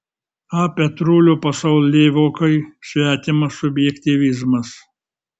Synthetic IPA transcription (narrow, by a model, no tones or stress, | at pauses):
ɑːpʲɛt̪ɾuːlʲupɐsɐʊlʲlʲeːʋʲokɐɪsʲʋʲæːt̪ʲɪmɐsʊbʲjɛkʲt̪ʲiʋʲɪzmɐs